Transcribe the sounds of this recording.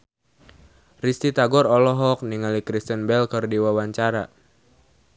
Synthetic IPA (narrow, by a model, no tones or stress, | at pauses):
rist̪it̪aɡɔɾɔlɔɦɔk̚niŋalikɾist̪ənbɛlkərdiwawaɲt͡ʃaɾa